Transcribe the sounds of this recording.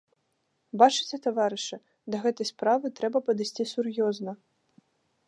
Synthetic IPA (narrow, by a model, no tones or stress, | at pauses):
bat͡ʂɨ̥t͡sʲɛt̪avaɾɨʂɨ | d̪ɐɣɛt̪ɐjspɾavɨt̪ɾɛbɐpɐd̪ɨsʲt͡sʲisurjɔznɐ